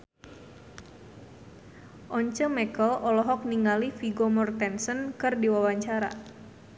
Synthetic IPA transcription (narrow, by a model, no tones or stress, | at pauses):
ʔɔɲt͡ʃəmɛkəlʔɔlɔɦɔk̚niŋalifiɡɔmɔrt̪ɛnsənkɨrdiwawaɲt͡ʃaɾa̰